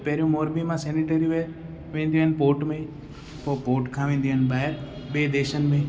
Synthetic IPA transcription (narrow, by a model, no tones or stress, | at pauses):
peɾjũmoːɾbimãseːniʈəɾiʋeː | ʋẽːnd̪iənpoːʈməĩ | popoːʈkʰãːʋĩnd̪iənbaːeɾ | beːd̪eːʃənməi